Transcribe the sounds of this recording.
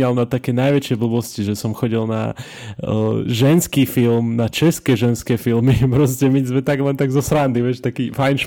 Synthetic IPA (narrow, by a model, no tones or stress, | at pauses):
alnat̪akɛːnajʋɛt͡ʃɪɛbl̩bɔsciʒɛsɔmxɔɟilna̰ | ʒɛnskiːfilmnat͡ʃɛskɛʒɛnskɛːfilmipɾɔscɛmizmɛt̪aɡlɛnt̪aɡzɔsɾand̪iʋɛʃt̪akiːfajnʃ